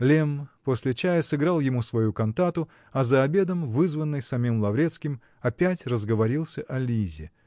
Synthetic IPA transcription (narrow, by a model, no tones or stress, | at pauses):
lʲempo̞sʲlʲɪt͡ɕæjəsɨɡɾɑlˠjɪmusvɐjukɐnt̪at̪ʊ | ɐzəɐbʲe̞d̪əmvɨzvənːɨjsɐmʲimlˠɐvɾʲe̞t̪skʲɪm | ɐpʲætʲrəzɡəvɐɾʲilˠsʲəʔɐlʲizʲɪ̰